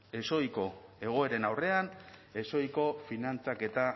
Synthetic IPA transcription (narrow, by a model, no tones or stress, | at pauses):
e̞so̞jko̞e̞ɣ̞o̞e̞ɾe̞nawre̞ane̞so̞jko̞finant͡sake̞t̪a